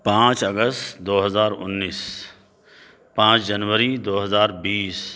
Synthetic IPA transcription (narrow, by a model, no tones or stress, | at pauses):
pãːt͡ʃɐɡəst̪d̪oːɦɐzaːɾʊ̰nːiːs | pãːt͡ʃd͡ʒɐnʋəɾid̪oːɦɐzaːɾbiːs